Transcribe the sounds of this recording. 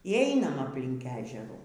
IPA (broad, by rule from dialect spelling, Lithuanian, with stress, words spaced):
iː ˈɛɪnɐm ɐpʲˈlʲɪŋk ˈæːʒʲɛruː